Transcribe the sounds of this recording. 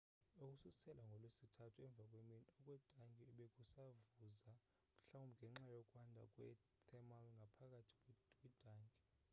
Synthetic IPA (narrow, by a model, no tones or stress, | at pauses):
uk̬ʼususɛlaŋɡʱɔlwesitʰatʰuɛɱb̪vʱakʼweminiɔkʼwɛd̥ʱaŋɡʱʼiɓek̬ʼusavuza | m̩ɬawumbʱŋɡʱɛŋ͡ǁajɔkʼwandʱa̰kʼwɛ̰ | tʰɛmalŋɡʱapʰak̬ʼatʰi̥kʼwid̥ʱaːŋɡʱʼi